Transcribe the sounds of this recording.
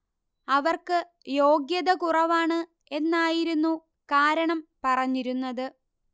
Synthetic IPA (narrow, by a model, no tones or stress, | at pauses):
ɐʋɐrkɨ | jo̞ːɡjɐðɐkurɐʋaːɳɨ | e̞nːaːjiɾunːu | kaːɾɐɳɐmpɐrɐɲːiɾunːɐðɨ